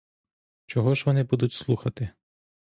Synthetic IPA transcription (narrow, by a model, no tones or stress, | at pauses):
t͡ʃɔɦɔʒʋɔnɪbud̪ʊtʲslˠuxɐt̪ɪ